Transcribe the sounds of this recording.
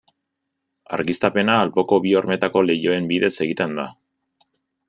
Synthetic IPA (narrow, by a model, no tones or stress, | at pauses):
a̰ɾɣist̪ape̞naːlpo̞ko̞βio̞ɾme̞t̪ako̞le̞jo̞e̞mbiðe̞se̞ɣit̪e̞nd̪a